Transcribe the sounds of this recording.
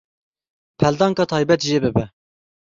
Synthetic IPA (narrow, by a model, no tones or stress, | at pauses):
pʰɛld̪ɑːŋkɑːt̪ʰɑːjbɛt̪ʒeːbɨbɛ